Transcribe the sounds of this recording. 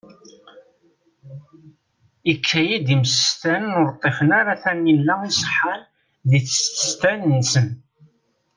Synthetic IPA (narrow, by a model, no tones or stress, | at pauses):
ikʰːæjid̪imsəst̪ænənʊɾt̪ˤːefənaɾaθænːilːæisˤħəl | ðiθə̥st̪ə̥st̪ænənsən